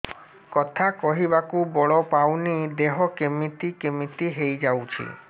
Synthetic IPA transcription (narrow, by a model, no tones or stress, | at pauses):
kɔt̪ʰakɔɦibakubɔɭɔpawnid̪eɦɔkemit̪ikemit̪iɦejd͡ʒawt͡ʃʰḭ